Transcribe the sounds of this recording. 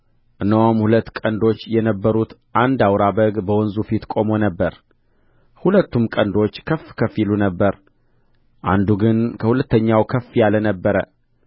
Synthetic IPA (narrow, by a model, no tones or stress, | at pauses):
ʔɨnːəwomhulət̪ːkʼənd̪o̞t͡ʃːjɛnəbːəɾut̪ʔand̪awɾabəɡbəwɔnzufit̪kʼo̞mo̞nəbːəɾ | hulət̪ːumkʼənd̪o̞t͡ʃːkʰəfːkʰəfilunəbːəɾ | ʔa̰nd̪uɡɨnkʰəhulət̪ːəɲːawkʰəfːjalənəbːəɾə